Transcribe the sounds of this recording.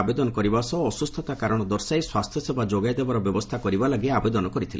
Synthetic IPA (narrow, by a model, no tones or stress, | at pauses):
bed̪ɔnɔkɔɾibasɔːsust̪ʰɔt̪akaɾɔɽ̃ɔd̪ɔɾsajswast̪ʰjɔsebad͡ʒoɡajd̪ebaɾɔbjɔbɔst̪ʰakɔɾibalaɡeabed̪ɔnɔkɔɾit̪ʰile